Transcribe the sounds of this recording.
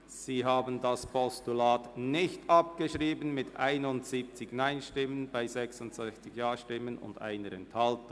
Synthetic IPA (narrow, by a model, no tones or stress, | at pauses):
z̥iːɦaːbəndaspʰɔstulaːtnɪçtʔɑp̚ɡ̥əʃʁiːbənmɪtʔa̰ɪnʊntziːp̚t͡sɪɡnaɪnʃtɪmənb̥aɪzɛksʊntsɛçt͡sɪçjaːʃtɪmənʊ̰ndʔa̰ɪnəɾɛnthɑlt